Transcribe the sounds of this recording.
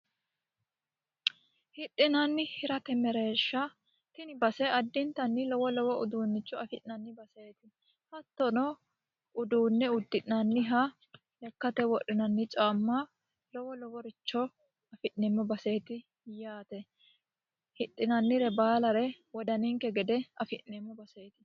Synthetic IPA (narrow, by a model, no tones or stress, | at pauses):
hhɪt̪ʼːɪnɐnːɪhɪɾɐt̪ɛmɛɾeːʃːɐ | t̪ɪnɪbɐsɛɐd̪ːɪnt̪ɐnːɪlɔwɔlɔwɔʊd̪uːnːɪt͡ʃʼːɔɐfɪʔɪnɐnːɪbɐse̞ːt̪ɪ | hɐt̪ːɔnɔ | ʊd̪uːnːɛʊd̪ːɪʔnɐnːɪɦɐ | lɛkːɐt̪ɛwɔʔɪnɐnːɪt͡ʃʼamːɐ | lɔwɔlɔwɔɾɪt͡ʃːɔ | ɐfɪʔnɛmːɔbɐse̞ːt̪ɪ | jaːt̪ɛ | hɪt̪ʼːɪnɐnːɪɾɛbaːlɐɾɛwɔd̪ɐnɪŋkɛɡɛd̪ɛɐfɪʔnɛmːɔbɐse̞ːt̪ɪ̥